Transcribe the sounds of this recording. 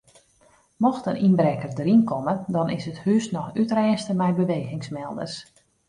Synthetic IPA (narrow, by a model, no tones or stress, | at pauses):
mɔxtəninbɾɛkərdrinkʰɔmədɔnɪsəthyəsnɔxytrɛːnstəmɛjbəʋeːɣɪŋsmɛlˠdə̰rs